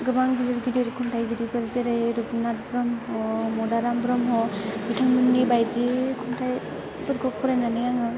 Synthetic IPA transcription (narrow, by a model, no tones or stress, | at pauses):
ɡɯbaŋɡizɔɾɡidiɾkʰɔntʰajɡidibɯɾzeɾɯjɾubnat̚bɾɯmhɔmɔdaɾambɾɯmɦɔbɯtʰaŋminːebajzikʰɔntʰaj | bɯɾɡɔk̚pʰɔɾajnanɯjaŋɯ